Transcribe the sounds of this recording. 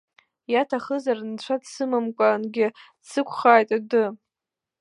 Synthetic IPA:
jatʰaχəzarnt͡ɕʷʰadsɨmɨmkʷʼanɡʲɪ | sɨkʷʰχaːjtʼadɨ

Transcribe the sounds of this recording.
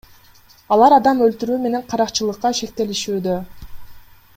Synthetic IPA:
ɑlˠɑɾɑd̪ɑmølt̪yɾyːme̞ne̞ɴqʰɑɾɑqt͡ʃɯlˠɯqːɑʃe̞k̚t̪e̞liʃyːd̪ø

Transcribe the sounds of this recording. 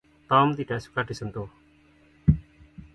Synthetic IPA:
t̪aːmd̪iʈɛskaʈisənt̪oː

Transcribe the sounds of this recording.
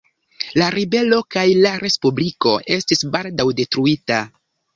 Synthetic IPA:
laɾibe̞lo̞kajlaɾe̞spubliko̞ʔe̞stisbaldawde̞tɾuita

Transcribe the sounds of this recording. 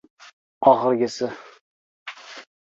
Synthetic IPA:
ɒχɨɾɡʲɪsɪ

